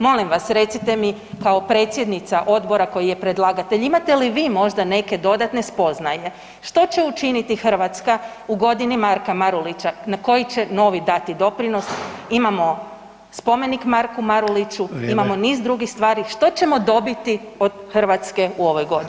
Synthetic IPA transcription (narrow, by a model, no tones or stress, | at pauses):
mo̞limʋasɾe̞t̪sit̪e̞mi | kaopɾe̞ːt̪sje̞d̪nit̪saʔo̞d̪bo̞ɾako̞jije̞pɾed̪lˠaɡat̪e̞ʎimat̪e̞liʋiːmo̞ʒd̪ane̞ke̞d̪o̞d̪at̪ne̞spo̞znaje̞ | ʃt̪o̞t͡ɕe̞ut͡ʃinit̪ixr̩ʋat̪ska | uɡo̞d̪inimaɾkamaɾulit͡ɕanako̞jit͡ɕe̞no̞ʋid̪at̪id̪o̞pɾino̞simamo̞ | spo̞me̞nikmaɾkumaɾulit͡ʃuimamo̞niːzd̪ɾuɡixst̪ʋaːɾiʃt̪o̞t͡ɕe̞mo̞d̪o̞bit̪io̞d̪̥xr̩ʋat̪ske̞uo̞ʋo̞jɡo̞d̪